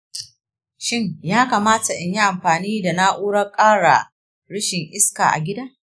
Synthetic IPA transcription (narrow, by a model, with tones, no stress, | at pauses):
ʃɪ˦˨ɲjaː˦kaː˨maː˦ta˨ʔɪ˨ɲji˦ʔa˨mɸaː˨niː˦da˨na˦ʔuː˦ɽɐ˦kʼaː˦ɽa̰˨ | ɽʊ˦ʃɪ˨ŋʔɪ˦ska̰˨ʔa̰˨ɡʲɪ˦daː˦